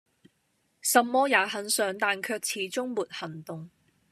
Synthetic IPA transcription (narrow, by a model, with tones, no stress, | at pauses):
sɐ˨mːɔː˥jaː˨˥ɦɐ˨˥nsœː˨˥ŋt̪aː˨nkʰœː˧k̚t͡sʰiː˨˥t͡sʊ˥ŋmuː˨t̚hɐ˨˩nt̪ʊ˨ŋ